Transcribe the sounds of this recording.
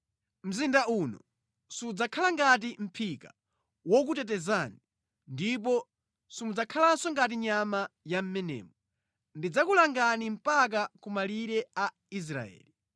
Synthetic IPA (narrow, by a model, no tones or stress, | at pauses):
m̩zindaʔunɔ | sud͡zakʰalaŋɡat̬im̩pʰika | wɔk̬utɛt̬ɛzani | ndip̬ɔ | simud͡zakʰalasɔŋɡat̬iɲamajam̩mɛnɛ̰ːmɔ | ndid͡zakulaŋɡanim̩pak̬akumaliɾɛa | is̬ɾa̰ɛ̰ːli